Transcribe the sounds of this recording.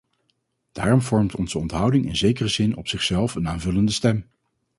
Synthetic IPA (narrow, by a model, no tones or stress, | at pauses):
d̥aːrɔmvɔɹmtɔnz̥əɔntɦʌwdɪŋɪ̰nzejkərəzɪnɔ̰psɪχsɛlˠfənaːnvɵləndəstɛm